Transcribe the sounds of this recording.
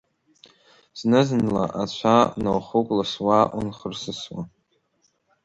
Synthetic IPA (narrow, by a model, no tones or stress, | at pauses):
z̥nɨzɨnla̰ʔat͡ɕʷʰanowχukʷʼlaswaʔṵnχərsɨswa̰